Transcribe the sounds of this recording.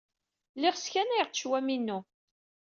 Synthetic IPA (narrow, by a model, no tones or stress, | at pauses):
lɪʁskænæjʁtʃwæminːu